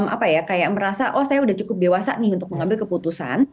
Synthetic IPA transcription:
mʔa̰pajakajaʔ̚məɾasaʔɔhsajaudaht͡ʃukʊp̚dewasa̰nɪɦunt̪ʊk̚məŋambɪlkəput̪usa̰n

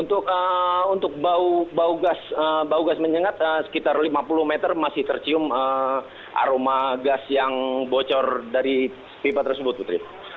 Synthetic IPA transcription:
unt̪ʊk̚əunt̪ʊk̚baubauɡasəbauɡasməɲəŋat̪əsə̥kit̪arlimapulʊhmet̪ərmasɪht̪ərt͡ʃiʊmə | ʔa̰ɾomaɡasjaŋbot͡ʃɔrdaɾi | pibat̪ərsəbʊt̪̚put̪ɾi

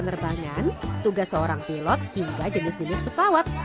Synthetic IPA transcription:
ənərbaŋant̪uɡasːəoɾaŋpilɔt̪̚hiŋɡad͡ʒənɪsd͡ʒənɪspəsawat̪̚

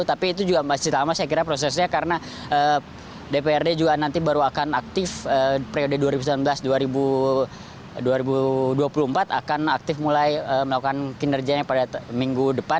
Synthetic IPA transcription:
t̪apiːt̪̬ud͡ʒuɡamasit̪amasajakiɾapɾos̬ɛsɲakaɾəna | ə | depeɛrded͡ʒuɡanant̪ibaɾuakanak̚t̪ɪfəːpɾeodəduaɾibuslanbəlasduaɾibu | duaɾibuduapulumpat̪akanak̚t̪ɪfmulajəːməlakukankinərɡiaɲapadamiŋɡudəpan

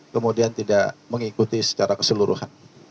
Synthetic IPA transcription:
kəmudiant̪idaʔməŋikut̪isə̥t͡ʃaɾakəsəluɾṵhan

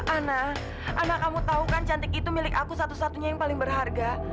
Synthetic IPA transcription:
ʔana | ʔanakamut̪aukant͡ʃant̪ɪkit̪umilɪkakusat̪usat̪uɲajaŋpalɪŋbərɦarɡa

